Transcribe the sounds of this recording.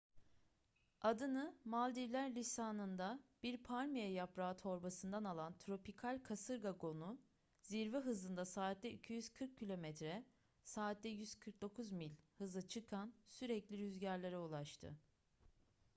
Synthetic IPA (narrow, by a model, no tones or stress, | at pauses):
ad̪ɯnɯmalʲd̪iɾlʲæɾlʲisaːnɯnd̪ab̥iɾpʰaɾʲmijɛjapɾaːt̪ʰo̞ɾbasɯnd̪analˠant̪ʰɾo̞pikʰalʲkʰasɯɾɡaɡo̞nu | ziɾvɛɦɯzɯnd̪asaːt̪̚d̪ɛicʰyjyz̥kʰɯɾkʰːilʲo̞mɛt̪ɾɛ | saːt̪̚d̪ɛjyz̥kʰɯɾk̚d̪o̞kʰuzmilʲhɯzɯt͡ʃʰɯkʰansyɾɛclʲiɾyzɟæɾlʲeɾɛulˠaʃt̪ʰɯ̰